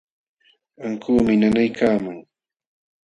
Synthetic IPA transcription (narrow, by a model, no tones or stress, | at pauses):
aŋkuːmɪnanajkaːmaŋ